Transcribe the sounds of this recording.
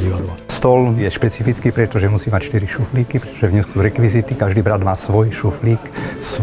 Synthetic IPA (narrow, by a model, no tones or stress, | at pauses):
iːʋad̪lɔst̪ɔljɛʃpɛt͡sifit͡skiːpɾɛt̪ɔʒɛmusiːmacʃt̪iɾiʃufliːkipɾɛt̪ɔ̥ʒɛvɲɛʊsuɾɛkʋizit̪ikaʒd̪iːbɾad̪maːsʋɔjʃufliːks